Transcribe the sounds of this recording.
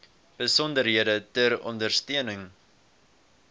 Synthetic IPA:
b̥əsɔndərɦiədətəɾɔ̰ndərstøənəŋ

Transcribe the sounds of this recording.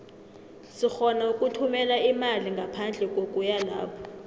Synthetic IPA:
sixɔnaukʼutʰumɛlaimaliŋɡʱapʰand͡ɮʱɛkʼokʼujalaːpʰɔ̥

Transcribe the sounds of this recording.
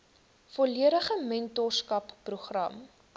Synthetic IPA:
fɔliəɾəχəmɛntɔrskɐpːruχrɐ̰m

